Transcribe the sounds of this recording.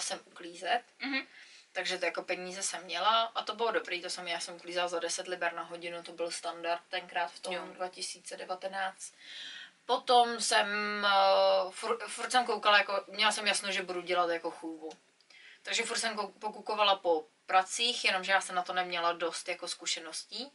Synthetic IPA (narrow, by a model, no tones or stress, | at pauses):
sɛmʔukliːzɛt̪ | t̪ːaɡʒɛtjako̞pɛɲiːzɛsɛmːɲɛlaʔat̪o̞bɪlodo̞bɾiːt̪osɛmjaːsɛmukliːzɛlazadɛsɛt̪lɪbɛɾnaɦo̞ɟɪnut̪o̞bɪlst̪andart̪̚t̪ːɛnkɾaːt̪ft̪odvacɪsiːt͡sɛdɛvat̪ɛnaːt͡st̪po̞t̪o̞msɛm | fuɾfuɾt̪sɛmkowkalajako̞mɲɛlasɛmjasnowʒɛbuduɟɛlat̪jako̞xuːbu | t̪aɡʒɛfuɾt̪sɛmkopokuko̞valapo̞ | pɾat͡siːxjɛno̞mʒɛjaːsɛmnat̪o̞nɛmɲɛlado̞st̪jako̞skuʃɛno̞sciː